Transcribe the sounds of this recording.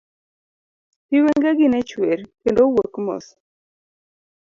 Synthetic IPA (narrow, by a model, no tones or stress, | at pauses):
piweŋɡɛɡɪnɛt͡ʃweɾkendowokmɔ̰s